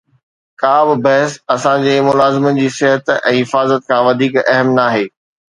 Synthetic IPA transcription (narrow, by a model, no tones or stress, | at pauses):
kaːbɪbɐɦɪsɐsãd͡ʑeːmʊlaːzɪmənd͡ʑiːsɪɦət̪ɛ̃ːɦɪfaːzət̪̚kʰãʋɐd̪ʱiːkɐɦəmnaːɦeː